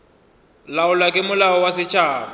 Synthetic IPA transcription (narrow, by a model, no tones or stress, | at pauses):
laʊlakʼɪmʊlaɔwasɪt͡ʃʰʼaːma